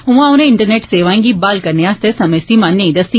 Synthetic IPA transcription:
ɦũʋãʊnẽɪ̃ɳʈəɾneːʈseːʋaːĩŋɡibaːlkɐɾneaːst̪esɐməjst̪imãːnːẽĩd̪ɐst̪i

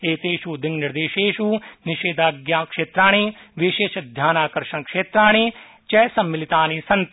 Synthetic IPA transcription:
eːt̪eːʃud̪ɪŋnɪɾd̪eːʃeːʃuːnɪʃeːd̪aːɡjaːkʃeːt̪ɾaːɽ̃iːʋɪʃeːʃɐd̪ʱjaːnaːkɐɾʃɐnkʃeːt̪ɾaːɽ̃iː | t͡ʃɛːsɐmːɪlɪt̪aːnisɐnt̪

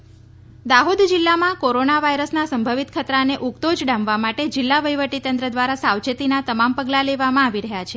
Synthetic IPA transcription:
d̪aɦod̪d͡ʒilːamãkoɾonaʋaiɾəsnasəmbʱəʋit̪kʰət̪ɾaneʔukt̪od͡ʒɖãmʋamaʈed͡ʒilːaʋəjʋəʈit̪ənd̪ɾəd̪ʋaɾasaʋd͡ʒət̪inat̪əmampəɡlaleʋamãaʋiɾəɦjat͡ʃʰe

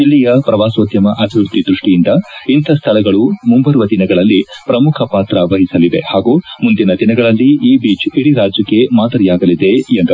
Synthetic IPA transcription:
d͡ʒilːijɐpɾɐʋaːsʋɐt̪jɐmɐʔɐbʱiʋɾut̪id̪ɾuʂʈijind̪ɐint̪ʰɐst̪ʰɐɭɐɡɐɭumumbɐɾʋɐd̪inɐɡɐɭɐlːipɾɐmukʰɐpaːt̪ɾɐʋɐɦisɐliʋe̞haːɡuːmund̪inɐd̪inɐɡɐɭɐlːiiːbiːt͡ʃiɽiɾaːd͡ʒjɐkːe̞maːd̪ɐɾijaːɡɐlid̪e̞jend̪ɐ

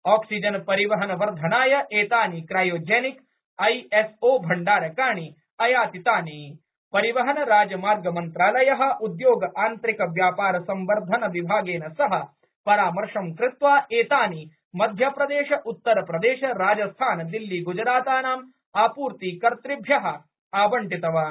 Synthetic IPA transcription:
aːksid͡ʒɐnpɐɾiʋɐɦɐnɐʋɐɾd̪ʱɐnaːjɐʔeːt̪aːnikɾaːjoːd͡ʒeːnik | ɐjesoːbʱɐɳɖaːɾɐkaːɳi | ɐjaːt̪it̪aːni | pɐɾiʋɐɦɐnɐɾaːd͡ʒɐmaːɾɡɐmɐnt̪ɾaːlɐjɐɦɐ̆ud̪joːɡɐʔaːnt̪ɾikɐʋjaːpaːɾɐsɐmʋɐɾd̪ʱɐnɐʋibʱaːɡeːnɐsɐɦɐ̆ | pɐɾaːmɐɾʂɐmkɾɪt̪ʋaːʔeːt̪aːni | mɐd̪ʱjɐpɾɐd̪eːʃɐʔut̪ːɐɾɐpɾɐd̪eːʃɐɾaːd͡ʒɐst̪ʰaːnɐd̪ilːiɡud͡ʒɾaːt̪aːnaːm | aːpuːɾt̪iːkɐɾt̪ɾibʱjɐɦɐ̆ | aːbɐɳʈit̪ɐʋaː

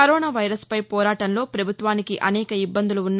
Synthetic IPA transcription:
ɐɾɔːnaːʋɐjɾɐspɐjpɔːɾaːʈɐnlo̞ːpɾɐbʱut̪ʋaːnikiʔɐnɛːkɐibːɐnd̪uluunː

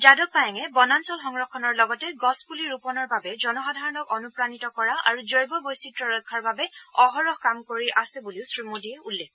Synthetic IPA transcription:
d͡ʒadɔk̚pajaŋɛbɔnansɔlxɔŋɹɔkʰːɔnɔɹlɔɡɔtɛɡɔspuliɹupɔnɔɹbabɛzɔnɔxadʱaɹɔnɔkɔnupɹanitɔkɔɹaa̰ɹuzɔjbɔbojsitɹɔɹɔkʰːɔɹbabɛɔɦɔɹɔxkamkoɹiʔasɛbuliʊsɹimodiɛulːek

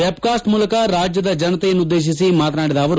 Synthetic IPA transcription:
ep̚kaːsʈmuːlɐkɐɾaːd͡ʒjɐd̪ɐd͡ʒɐnɐt̪ɛjɐnːud̪ːeːʃ̬isimaːt̪naːɽid̪ɐːʋɐɾu

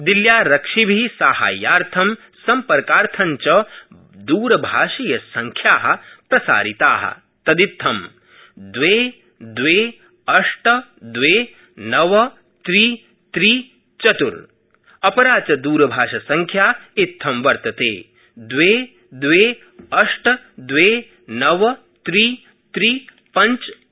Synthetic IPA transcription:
d̪iljaːɾɐkʂibʱisaːha̰ːjaːɾt̪ʰɐm | sɐmpɐɾkaːɾt̪ʰɐɲt͡ʃɐ | d̪uːɾɐbʱaːʂijɐsɐŋkʰjaːɦɐ̆pɾɐsa̰ːɾit̪aːɦɐ̰ | t̪ɐd̪it̪ʰːɐm | d̪ʋeː | d̪ʋeː | ɐʂʈɐd̪ʋeː | nɐʋɐ | t̪ɾiː | t̪ɾiː | t͡ʃɐt̪ṵɾ | ɐpɐɾaːt͡ʃɐd̪uːɾɐbʱaːʂɐsɐŋkʰjaːit̪ʰːɐmʋɐɾt̪ɐt̪eː | d̪ʋeː | d̪ʋeː | ɐʂʈɐ | d̪ʋeː | nɐʋɐ | t̪ɾiː | t̪ɾiː | pɐ̃ɲt͡ʃ

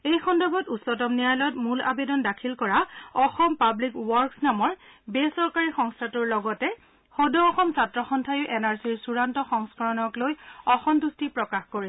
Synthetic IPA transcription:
ejxɔndɔbʱɔtutsɔt̬ɔmnijajlɔtmula̰bedɔndakʰilkɔɹaɔxɔmpablikwɔɹksnamɔɹbesɔɹkaɹixɔŋstʰatuɹlɔɡɔtɛ | xodɔːxɔmsatɹɔxɔntʰajʊʔɛnaɹsiɹsuɹantɔxɔŋskaɹɔnɔklojɔxɔmtustipɹɔkaxkoɹi

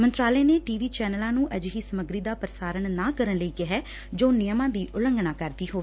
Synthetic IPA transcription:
mənt̪ɾaːleːneːʈiːʋiːt͡ʃɛːnəlãːnũːʔəd͡ʒɦiːsəməɡɾiːd̪aːpəɾəsaːɾəɳnãːkəɾənləiːkɪɦɛː | d͡ʒoːnɪjəmãːd̪iːʔʊləŋɡɳaːkəɾd̪iːɦoː

